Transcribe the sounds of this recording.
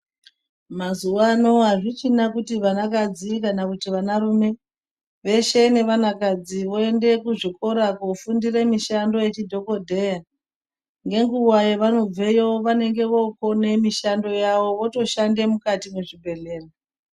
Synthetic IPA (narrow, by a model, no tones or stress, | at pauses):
mazuano̞ɦaʐit͡ʃinakutiʋanakad͡zikanakutiʋanaɾume̞ | ʋe̞ʃe̞ne̞ʋanakad͡ziʋo̞e̞nde̞kuʐiko̞ɾakofundire̞miʃando̞je̞t͡ʃidʱo̞ko̞dʱe̞ja | ŋɡe̞ŋɡuwajeʋano̞b͡ve̞jo̞ʋane̞ŋɡe̞ʋo̞ko̞ne̞miʃando̞jaʋo̞ʋo̞to̞ʃande̞mukatimeʐibʱe̞ɮe̞ːra